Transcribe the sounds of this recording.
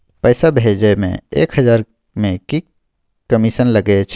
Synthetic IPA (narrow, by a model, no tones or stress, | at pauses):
pəjsabʱɦed͡ʒemḛ̃ḛːkɦəd͡ʒaːɾ | mẽki | kəmisənləɡet͡ʃʰ